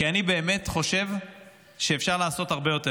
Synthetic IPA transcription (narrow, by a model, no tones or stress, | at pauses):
kianibe̞ːme̞tχo̞ʃe̞v | ʃe̞ːfʃaʁlaːso̞taʁbe̞jo̞te